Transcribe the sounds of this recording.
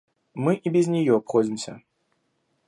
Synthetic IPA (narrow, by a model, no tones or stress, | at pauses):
mɨʔibʲɪzʲnʲɪjɔɐpxɔd͡zʲɪmsʲə̰